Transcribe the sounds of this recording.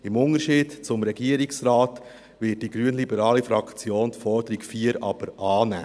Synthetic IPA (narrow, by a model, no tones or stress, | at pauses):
ɪmʊnəɾʃiːd̥t͡sʊmɾɛɡiəɾɪksraːt | vɪt̚d̥iɡɾyənlibəɾɑːlifɾɑkt͡sjoːntfɔɾd̥əɾikfiːəɾɑb̥əɾʔɑːnæ̰ː